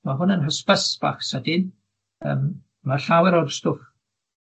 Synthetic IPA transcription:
maɦʊnənɦəspasb̥a̰ːχsədɪn | ə̰m | maɬawɛɾɔrstʊːf

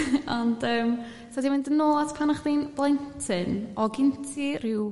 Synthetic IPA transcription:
ɔndəːm | sadimɪndənoːlˠadpʰanaχðiːnb̥lˠajntʰɨnɔɡɪntʰirɪw

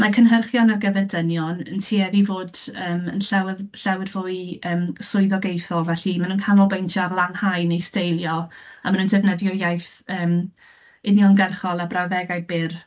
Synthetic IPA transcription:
makʰənɦərχjɔnarɡəvɛrdənjɔnə̰ntʰiːɛðivoːdəːmənɬawðɬawɪrvoːiəːmsʊɨðɔɡejθɔlˠvɛɬimanuːnkʰanɔlˠbejntʰjɔarlˠanhajnejstejlˠjɔamənund̥ɛvnɛðjɔjajθəːm | ɪnjɔnɡɛrχɔlˠabrawðɛɡajbɪr

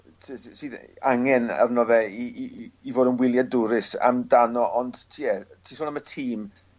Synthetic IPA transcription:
sɨːðaŋɛna̰rnɔvɛiːvoːdənwɪlˠjadʊɾɪsa̰mdanɔʔɔnd̥tʰiɛtʰiːsɔːlˠnamətʰiːm

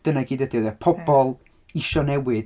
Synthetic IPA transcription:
d̥ənaɡiːdəd̥iðəpʰɔbɔlˠ | ɪʃɔnɛwɨð

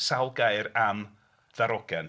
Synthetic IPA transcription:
salˠɡaɨɾam | ðaɾɔɡɛn

